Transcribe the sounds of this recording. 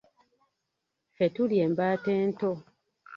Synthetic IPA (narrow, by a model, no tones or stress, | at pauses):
fetulje̞ːmbaːte̞ːnto̞